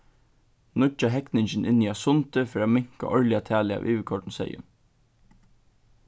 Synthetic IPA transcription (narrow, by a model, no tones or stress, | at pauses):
nʊt͡ʃaɦɛknɪɲt͡ʃn̩ʔɪniːasʊnt̪əfɔɾaːmɪŋ̥ka̰ʔɔɹlɪat̪ʰæːlɪa̰ːʔiːʋəkʰɔʈn̩sɛ̰jə̰